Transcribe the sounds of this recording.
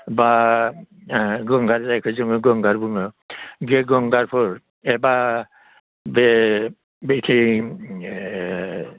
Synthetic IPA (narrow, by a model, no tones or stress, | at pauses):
ba | ɡɔŋɡaɾzajkʰɯzɔŋɔɡɔŋɡaɾbuŋɔɡeɡɔŋɡaɾpʰɔɾ | ɛba | be | betʰi